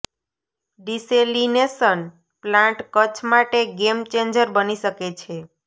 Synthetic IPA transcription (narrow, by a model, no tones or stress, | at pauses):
ɖiselinesən | plãɳʈkət͡ʃʰmaʈeɡemt͡ʃend͡ʒəɾbəniʃəket͡ʃʰe